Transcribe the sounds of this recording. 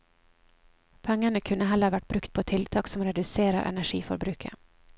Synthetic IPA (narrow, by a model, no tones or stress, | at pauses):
pʰɛŋːəɳəkʰʉnːəɦɛləɾʋæʈ̚bɾʉkt̪̚pʰoːt̪ʰɪlt̪ʰɑːksɔmɾɛd̪ʉseːɾə̰ɾʔɛ̰næʂḭːfɔ̰ɾbɾʉːkʰə̰